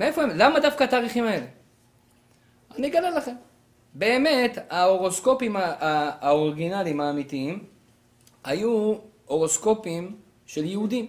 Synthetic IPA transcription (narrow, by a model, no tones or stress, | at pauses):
mee̞fo̞emlamad̪afkaat̪aːʁiχimae̞le̞ | aniɡadalːaχe̞m | be̞ːme̞t̪aoʁo̞sko̞pimaaːoʁiɡinalimaːmit̪iim | haju | o̞ʁo̞sko̞pim | ʃe̞ljeud̪im